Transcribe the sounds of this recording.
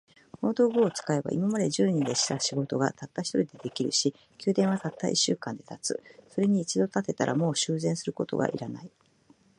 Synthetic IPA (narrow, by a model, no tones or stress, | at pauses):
moːd̪o̞ːɡɯːt͡sɨ̥kae̞ba̰ʔḭmamad̪e̞ʑɨːɲ̟id̪e̞ɕi̥t̪aɕiɡo̞t̪o̞ɡa̰t̪at̪ːaçi̥t̪o̞ɾʲid̪e̞d̪e̞kʲiɾɯ̟ɕi | kʲɨːd̪ẽ̞ɰ̃βat̪at̪ːaʔḭɕːɨ̰ːkãnd̪e̞t̪at͡sɨso̞ɾe̞ɲ̟iːt͡ɕid̪o̞t̪at̪e̞t̪aɾʔa̰mo̞ːɕɨːzẽ̞ɰ̃sɨɾɯ̟ko̞t̪o̞̰ɡa̰ʔḭɾana̰i